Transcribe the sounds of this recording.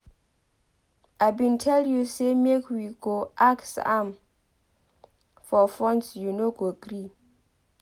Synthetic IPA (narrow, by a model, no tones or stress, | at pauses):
aɪbĩntʰɛljusemekwiɡoʔaksã̰m | fɔfɹɔ̃nsjunoɡoɡɾi